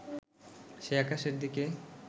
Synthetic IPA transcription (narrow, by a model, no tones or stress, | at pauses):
ʃeakaʃeɾd̪ike